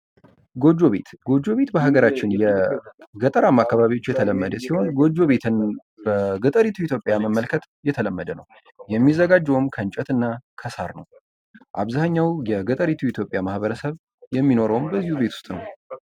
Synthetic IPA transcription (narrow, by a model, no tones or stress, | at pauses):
ɡo̞d͡ʒːo̞βe̞̰t̪ɡo̞d͡ʒːo̞βe̞t̪bəɦaɡəɾat͡ʃːɪnjɛɡət̪ʼəɾamːakːaβaβiwo̞t͡ʃːjɛt̪ʰələmːəd̪əsiho̞nɡo̞d͡ʒːo̞βe̞t̪ʰɨn | bəɡət̪ʼəɾit̪ʰuit̪ʰjo̞pʼjaməmːəlkʰət̪jɛt̪ʰələmːəd̪ənəw | jɛmːizːəɡad͡ʒːɛwɔmkʰənt͡ʃʼɛt̪ɨnːakʰəsaɾnəw | ʔa̰βzahaɲːawjɛɡət̪ʼəɾit̪ʰuit̪ʰjo̞pʼjamahβəɾəsəβ | jɛmːino̞ɾəwmbəzːihuβet̪ʰu̥st̪ʼnəw